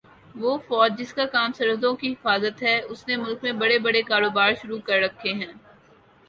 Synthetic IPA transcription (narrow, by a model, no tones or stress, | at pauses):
ʋoːfɔːd͡ʒ̚d͡ʒɪskakaːmsɐɾɦʊzõkiɦɪfaːzət̪ɦɛʊsnemʊlkmẽbɐɽebɐɽekaːɾoːbaːɾʃʊɾukɐɾːɐkʰːeɦɛ̃ː